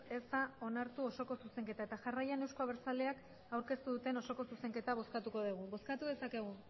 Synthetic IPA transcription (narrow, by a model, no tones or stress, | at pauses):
e̞zd̪ao̞naɾt̪uo̞so̞ko̞suse̞ŋke̞t̪aet̪aʝarajane̞wskoaβ̞eɾt͡saleak | awɾke̞st̪uðut̪e̞no̞so̞ko̞suse̞ŋke̞t̪aβ̞o̞skat̪uko̞ð̞uɣ̞uβo̞skat̪uðe̞sake̞ɣ̞u